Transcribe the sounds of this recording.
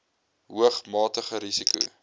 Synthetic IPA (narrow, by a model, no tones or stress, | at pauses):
ɦuəχmɑːtəχəɾisikṵ